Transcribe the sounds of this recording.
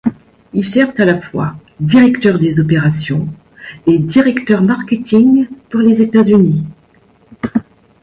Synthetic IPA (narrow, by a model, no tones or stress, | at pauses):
ilsɛʁvt̪alafwa̰d̪iʁɛkt̪œʁd̪ezɔpeʁasjɔ̃ | ed̪iʁɛkt̪œʁmaʁkʲet̪iŋpuʁlezet̪azyni